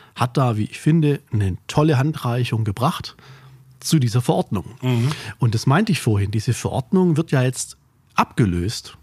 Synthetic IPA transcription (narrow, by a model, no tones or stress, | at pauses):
hat̚d̥aːvḭːʔɪçfɪndənətʰɔləɦantʁ̥aɪçʊŋɡəbʁaχt | t͡sudiːzɐfɐʔɔɐdnʊŋʔʊnt̚d̥asmaɪntəɪçfoːɐɦɪndiːzəfɛɐʔɔ̰ɐdnʊŋvɪɐtjaːjɛt͡st | ʔapɡ̥əløːst